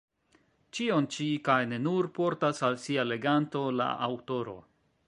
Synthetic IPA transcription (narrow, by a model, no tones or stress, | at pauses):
t͡ʃio̞nt͡ʃikajne̞nuɾpo̞ɾtasalsiale̞ɡanto̞la̰ʔa̰wto̞ɾo̞̰